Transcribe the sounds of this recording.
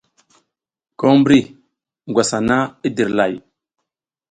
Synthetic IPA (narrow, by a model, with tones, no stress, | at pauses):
ko˦mbɾi˦˨ | ɡwa˨sa˨na˦i˦di˨ɾla˨j